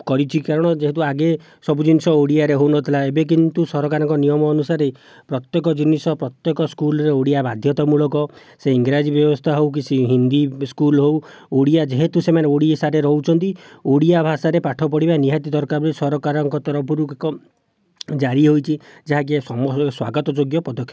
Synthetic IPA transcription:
kɔɾit͡ʃʰikaɾɔɽ̃ɔd͡ʒeɦet̪̬uaɡe | sɔbud͡ʒinisɔoɽiaɾeɦownɔt̪ʰilaebek̬int̪usɔɾɔkaɾɔŋkɔnijɔmɔːnusaɾe | pɾɔt̪jɔkɔd͡ʒinisɔpɾɔt̪jɔkɔskulɔɾeoɽijabad̪ʱjɔt̪ɔmuɭɔkɔ | seiŋɡɾad͡ʒibjɔbɔst̪ʰaɦowk̬isiɦind̪iskulɦow | oɽijad͡ʒeɦet̪usemaneoɽiesaɾeɾɔut͡ʃʰɔnt̪ioɽijabʱasaɾepaʈʰɔpɔɽibaniɦat̪id̪ɔɾkaɾbɔisɔɾɔkaɾɔŋkɔt̪ɔɾɔpʰuɾukkɔ | d͡ʒaɾiɦojt͡ʃʰid͡ʒaɦaɡiesɔmɔswa̰ɡɔt̪ɔd͡ʒoɡjɔpɔd̪ɔkʰjɔ

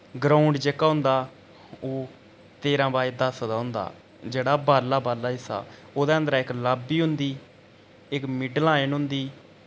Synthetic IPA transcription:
ɡɾaːʊɳɖd͡ʒeːkːaːɦʊ̃nd̪aː | oː | t̪eːɾãːbaːeːd̪əsd̪aːɦʊ̃nd̪a̰ː | d͡ʒeːɽaːbaːlaːbaːlaːɪsa̰ː | oːd̪ẽːə̃nd̪ɾãːɪklaːbiːɦʊnd̪iː | ɪkmɪɖlãːenʊ̃nd̪iː

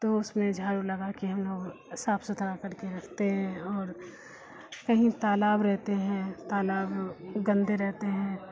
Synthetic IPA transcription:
t̪oʊsmẽd͡ʒʱaːɾulɐɡakiɦɐ̃mloːɡ | saːpʰsʊt̪ʰɾakɐɾkeɾɐkʰt̪eɦɛ̃ɔːɾ | kɐɦĩt̪aːlaːbɾɛɦt̪eɦɛ̃t̪aːlaːbɡɐ̃nd̪ʱeɾɛɦt̪eɦɛ̃ː

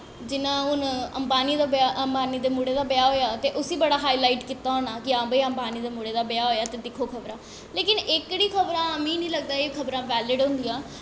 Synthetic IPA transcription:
d͡ʒɪnãːʊnəmbaːniːd̪aːbaːʔəmbaːniːd̪eːmuːɽeːd̪aːbɪjaːɦoːjaːt̪eːʔʊsiːbəɽaːɦaːiːlaːiʈkiːt̪aːɦoːnaːkɪãːbəːəmbaːniːd̪eːmuːɽeːd̪aːbejaːɦoːjaːt̪eːd̪ɪkʰoːkʰəbɾãː | leːkɪnɪkːɽiːkʰəbɾãːmĩːnĩːləɡ̚d̪aːeːkʰəbɾãːʋɛːlɪɖɦõːnd̪ijãː

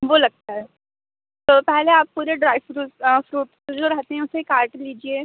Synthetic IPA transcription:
ʋolɐɡ̚t̪aɦɛ | t̪ɔːpɛɦleaːpːuːɾeɖɾajʋfɾuːtfɾuːʈ | d͡zoɾaɦt̪eɦɛ̃ʊsekaːɾʈliːd͡ʒie

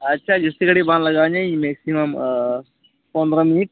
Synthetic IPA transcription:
ɐtːʃʰaːd͡ʒɪst̪ikɐɽibãːnlɐɡaːɲẽimeːksimɐm | pɐ̃nd̪ɾɐmiːk̚

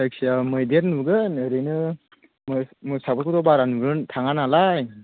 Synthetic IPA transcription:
tak̚siamɯjdeɾnuɡɯnɯɾɯjnɯ | mɯmɯsabɯkudɔbaɾanuɾɯntʰaŋanalaj

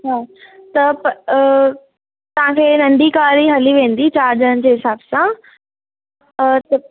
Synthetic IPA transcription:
ɦaːt̪ɐp | t̪ɐʋ̤ãkʰeːnɐ̃ɳɖikaːɾiɦɐliʋẽːn̆d̪it͡ɕaːɾd͡ʑəən̆d͡ʑeːɦɪsaːbsã | t̪ɐ

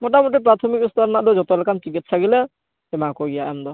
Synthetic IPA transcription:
mɔʈamoʈ̬ip̬ɾat̪ʰɔmikust̪ɔɾnad̪ɔd͡ʒɔt̪ɔlɛkʰant͡ʃikitʰsaɡilɛ | ɛmakɔɡijaʔɛmd̪ɔ

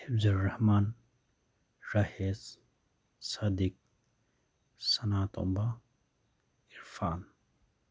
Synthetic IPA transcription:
hibzɐlːɐhmaːn | ɾahez | saːd̪ik̚ | sɐnaːt̪o̰mba | iɾfaːn

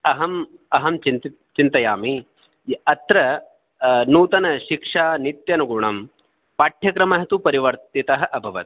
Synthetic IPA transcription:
ɐɦɐmɐɦɐmt͡ʃint | t͡ʃint̪ɐjaːmi | ɐt̪ɾɐ | nuːt̪ɐnɐʃikʂaːnit̪jɐnɐɡuɳɐm | paːʈʰjɐkɾɐmɐɦɐt̪upɐɾiʋɐɾt̪it̪ɐɦɐ̆ʔɐbʱɐʋɐ̰t̪

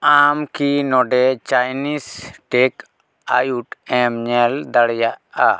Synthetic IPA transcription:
amkinɔɖɛt͡ʃajnisʈɛk | ajuʈɛmɲɛld̪aɽɛjaʔa̰

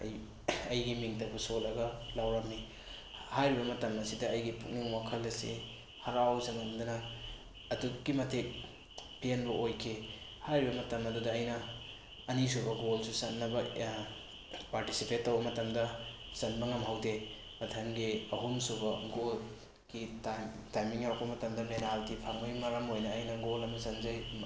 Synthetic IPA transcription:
ɐ̰j | ɐjɡimiŋtɐbusolɐɡɐlawɾɐmni | hajɾibɐmɐtɐmɐsidɐɐjɡipʰuk̚niŋwakʰɐlːɐsḭ | hɐɾawzɐnɐmdɐnɐ | ɐtuɡ̥imɐtʰek̚ | pienbɐʔojkʰi | hajɾibɐmɐtɐmɐdudɐːjnɐː | nis̬ubɐɡolsusɐt̚nːɐbɐ | paɾtisipetːɐwbɐmɐtɐmdɐ | zɐnbɐŋɐmɦawde | mɐtʰɐmɡiɐɦumsubɐɡol | ɡitatajmiŋhaɾɔk̚pɐmɐtɐmdɐmneɾaldipʰaŋmujmɐɾɐmojnɐːjnɐɡolɐmɐzɐnzɐj

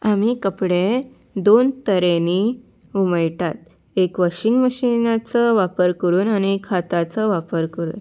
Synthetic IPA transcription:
amikəpɽe | d̪ont̪əɾeni | uməjʈat̪̚ | ekʋəɕiŋɡməɕinat͡səʋapəɾkəɾuːnañikʰat̪at͡səʋapəɾkəɾṵːn

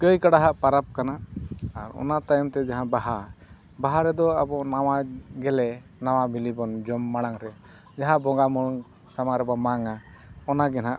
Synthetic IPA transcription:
kəjkaɽaɦaʔpaɾap̚kanaʔaɾɔ̰nat̪ajmt̪ɛd͡ʒaɦãbaɦa | baɦaɾɛd̪ɔabɔʔnawaɡɛlɛ | naw̃abʱilibɔnd͡ʒɔmːaɽ̃aŋɾɛ | d͡ʒaɦãbɔŋɡamuɽuŋ | samaɾɛbamaŋa | ɔnaɡɛnaʔ

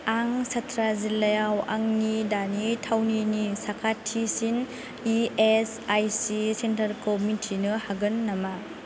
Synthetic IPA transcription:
aŋsatʰɾazilɐjawa̰ŋnidanitʰawninisakʰatʰːisin | ies | ajsisentɐɾkomitʰinɯhaɡɯnːama

